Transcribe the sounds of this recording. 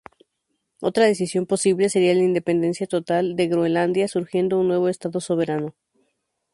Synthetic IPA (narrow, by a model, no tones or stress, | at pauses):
o̞t̪ɾaðe̞sisjo̞mpo̞siβle̞se̞ɾialaind̪e̞pe̞nd̪e̞nsjat̪o̞t̪ald̪e̞ɣɾoenland̪jasuɾxje̞nd̪ounːwe̞β̞o̞est̪aðo̞so̞β̞e̞ɾano̞